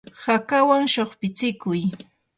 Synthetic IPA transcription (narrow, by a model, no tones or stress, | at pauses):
hakawaŋʃoχpɪt͡sɪkʊj